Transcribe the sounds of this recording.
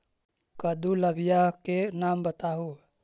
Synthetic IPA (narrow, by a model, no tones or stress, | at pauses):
kəd̪uləbijakenaːmbət̪aɦu